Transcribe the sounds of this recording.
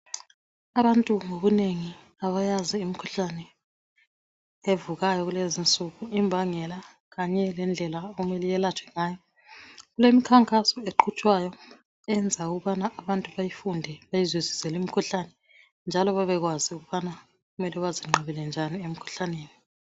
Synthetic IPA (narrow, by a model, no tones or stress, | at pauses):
aβantʼuŋoβuneŋi | aβajaziːmikʰu̥ɬanɛ | evuɣajɔɣulezint͡sʼuɣuimbʱaŋɛla | ɣaɲɛlɛnd͡ɮʱɛlaoɣumɛlɛjɛlat͡ʃʰʼwɛ̥ŋaːjɔ | ɣulemikʰaŋkʼasɔeǃʰut͡ʃʼwajɔ | ɛnd͡zʱauɣuβanaʔːβantʼuβajifundʱɛβajizwezisɛlim̩kʰuɬanɛ | nd͡ʒʱalɔβaβɛɣwaziuɣuβana | ɣumɛlɛβaziŋ͡ǃʱɔβilɛnd͡ʒʱaniem̩kʰu̥ɬaneːni